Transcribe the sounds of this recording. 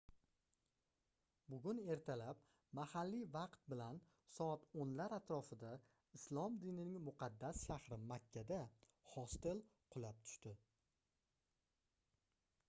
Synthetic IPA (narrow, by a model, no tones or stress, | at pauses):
bʊɡʲʊne̞ɾt̪ʰalap | mahalːivɑqt̪̚bɪlan | sɒat̪onlaɾat̪ɾɒfɪd̪a | ɪslˠɒmd̪inɪnɪŋmʊqʰɑd̪ːasʃahɾɪmakʲʰːad̪a | hɒst̪elqʰʊlap̚t̪ʰʊ̥ʃt̪ɪ